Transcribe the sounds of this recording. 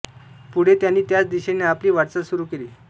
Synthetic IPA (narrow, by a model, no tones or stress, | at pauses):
puɽ̤et̪janːiːt̪jat͡sd̪iɕeneapliːʋaʈt͡sasuɾuːkeliː